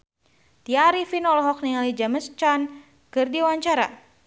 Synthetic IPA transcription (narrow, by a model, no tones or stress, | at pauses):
t̪iaɾifinɔlɔɦɔk̚niŋalid͡ʒaməst͡ʃan | kɨrdiwaɲt͡ʃaɾa̰